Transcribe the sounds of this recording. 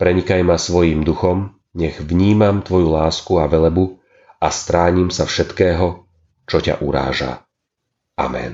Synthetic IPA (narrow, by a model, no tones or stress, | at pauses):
pɾɛɲikajmasʋɔjimd̪uxɔm | ɲɛɣʋɲiːmamt̪ʋɔjulaːskuaʋɛlɛbu | ast̪ɾaːɲimsafʃɛt̪kɛːɦɔ | t͡ʃɔca̰ʔuɾa̰ːʒa̰ | ʔa̰mɛ̰n